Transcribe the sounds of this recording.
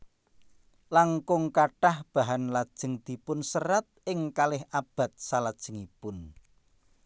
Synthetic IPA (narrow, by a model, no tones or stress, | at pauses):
laŋkʊŋkaʈahb̥a̤ɦanlad̥ʒ̥ə̤ŋd̪̥i̤pʊnsərat̪̚ʔɪŋkalɪhab̥a̤t̪̚salad̥ʒ̥ə̤ŋipʊn